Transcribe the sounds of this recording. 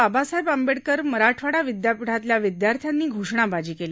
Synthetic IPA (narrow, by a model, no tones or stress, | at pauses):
abasaɦebambeɽkəɾməɾaʈʰʋaɽaʋid̪japiɽ̤at̪ljaʋid̪jaɾt̪ʰjanːiːɡʱoʂɳabad͡ʑiːkela